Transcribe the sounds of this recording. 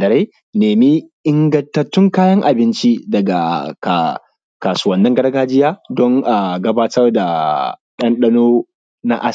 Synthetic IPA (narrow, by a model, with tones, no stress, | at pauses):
dɐ˨ɾe˦ | neː˨mi˦ʔɪ˦ŋɡɐ˦ntɐ˦tːʊ˦ŋkaː˦jɐ˦ŋʔa˨bɪ˦nt͡ʃi˦dɐ˨ɡa̰˨ka˨ | kaː˨su˦wɐ˨nːɐ˦ŋɡɐ˦ɽɡaː˦d͡ʒɪ˦jaː˦dɔ˦ŋʔa˨ɡɐ˦baː˦tʰɐ˦rda˨ɗɐ˦nɗɐ˦noː˦ | na̰˦ʔa˦s